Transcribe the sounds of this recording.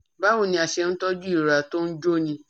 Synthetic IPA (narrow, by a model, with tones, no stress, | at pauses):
ba˦wu˦˨nĩ˧˦a˨ʃɛ˧n̩˦tɔ˦d͡ʒu˦i˦˨ɾa˨to˦n̩˦d͡ʒo˦nĩ˧